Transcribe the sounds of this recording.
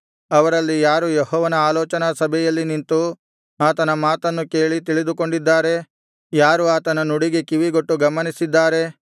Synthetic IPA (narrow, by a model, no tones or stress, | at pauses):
ɐʋɐɾɐlːijaːɾujeɦɔːʋɐnɐaːlɔːt͡ʃɐnɐsɐbʱɛjɐlːinint̪u | aːt̪ɐnɐmaːt̪ɐnːuke̞ːɭit̪̬iɭid̪uko̞ɳɖid̪ːaːɾe̞ | jaːɾuaːt̪ɐnɐnuɽiɡe̞kiʋiɡoʈːuɡɐmɐnisid̪ːaːɾe̞